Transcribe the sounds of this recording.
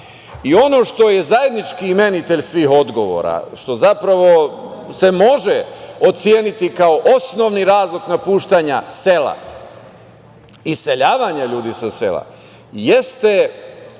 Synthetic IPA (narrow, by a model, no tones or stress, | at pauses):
io̞no̞ʃt̪o̞je̞zaje̞d̪nit͡ʃkime̞nit̪e̞ʎsʋiːxo̞d̪ɡo̞ʋo̞̰ːɾa̰ʃt̪o̞zapɾaʋo̞se̞mo̞ʒeot̪sje̞ːnit̪ikao̞ʔo̞sno̞ʋniɾaːzlˠoknapuːʃt̪aɲase̞la̰ | ise̞ʎaːʋaɲaʎuːd̪isasḛla̰ | jest̪e